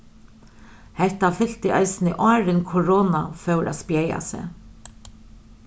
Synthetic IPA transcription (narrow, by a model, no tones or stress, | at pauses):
hɛht̪afʏl̥t̪ɪʔa̰jsɪnɪʔɔːɾɪnkʰɔɾɔːnafœwɾʔa̰spjɛːja̰sɛ̰